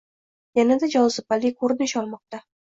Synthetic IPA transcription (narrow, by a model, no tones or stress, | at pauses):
janad̪ad͡ʒɒwzɪpalːɪkʰɵɾd̪ɪʃɒlˠmɒq̚t̪a